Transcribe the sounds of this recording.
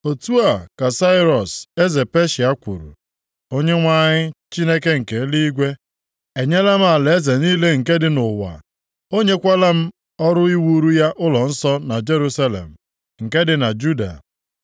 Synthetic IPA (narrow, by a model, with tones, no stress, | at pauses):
o˨tu˦a˨ka˨sa˦ɪ˦ɾɔ˨se˦ze˨pe˦ʃi˨a˦kʷṵ˨ɾṵ˨ | o˦ɲe˦ŋʷa˦ɲɪ˦t͡ʃi˦ne˦ke˦ŋ̩˨ke˨˦li˦i˦ɡʷe˦ | e˨ɲe˦la˦m̩˦a˨le˨e˦ze˨niː˦le˦ŋ̩˨ke˦dɪ˨nʊ˨wa̰˨ | o˦ɲe˦kʷa˦la˦m̩˦ | ɔ˦ɾʊ˦i˦wu˦ɾu˦ja˦ʔʊ˦lɔ˨n̩˦sɔ˦na˨d͡ʒe˦ɾu˦sa˦lḛ˨m̩˨ | ŋ̩˨ke˦dɪ˨na˨d͡ʒu˦da̰˨